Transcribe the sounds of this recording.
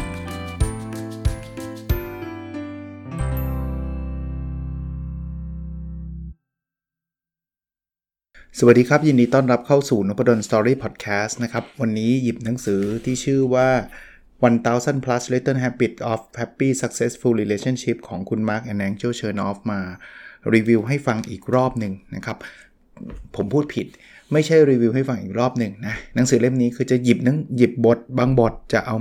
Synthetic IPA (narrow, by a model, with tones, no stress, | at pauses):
sa˨˩wa˨˩t̚diː˧kʰɾa˦˥p̚jiː˧ndiː˧t̪ɔː˥˩nɾa˦˥p̚kʰa˥˩wsuː˨˩no˦˥pɾa˧do˧nst̪ɔː˧ɾiː˥˩pʰɔː˨˩t̪̚kʰɛː˦˥st̪na˦˥kʰa˦˥p̚wa˧nːiː˦˥ji˨˩p̚na˩˦ŋsɯː˩˦t̪ʰiː˥˩t͡ɕʰɯː˥˩waː˥˩ | wa˧nt̪aː˧˥wsa˥˩npʰla˦˥sle˦˥t̪ɤː˥˩nɦɛ˦˥pi˨˩t̪̚ʔɔː˦˥fhɛ˦˥pːiː˥˩sa˧˦˥k̚se˦˥sfu˧liː˧leː˧˥t͡ɕʰa˥˩˨nt͡ɕʰi˦˥p̚kʰɔː˩˦ŋkʰu˧nmaː˦˥k̚ʔa˧nɛː˧nt͡ɕoː˥˩t͡ɕʰɤː˧nʔɔː˦˥fmaː˧ɾiː˧wi˧wɦa˥˩jfa˧ŋʔiː˨˩k̚ɾɔː˥˩p̚nɯ˨˩ŋna˦˥kʰa˦˥p̚ʰː | o˩˦mpʰuː˥˩t̪̚pʰi˨˩t̪̚ | ma˥˩jt͡ɕʰa˥˩jɾiː˧wi˧wɦa˥˩jfa˧ŋʔiː˨˩k̚ɾɔː˥˩p̚nɯ˨˧ŋna˦˥na˩˦ŋsɯː˩˦le˥˩mniː˦˥kʰɯː˧t͡ɕa˨˩ji˨˩p̚na˨˦ŋji˨˩p̚bo˨˩t̪̚baː˧ŋbo˨˩t̪̚t͡ɕa˨˩ʔa˧w